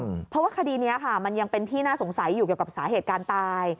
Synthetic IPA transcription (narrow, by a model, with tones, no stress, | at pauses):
pʰɾɔ˦˥waː˥˩kʰa˧diː˧ni˦˥ɐkʰa˥˩ma˧nja˧ŋpe˧nt̪ʰiː˥˩naː˥˩so˩˦ŋsa˩˦jːuː˨˩ki˨˩əwka˨˩saː˩˦ɦeː˨˩t̪̚kaː˧nt̪aː˧j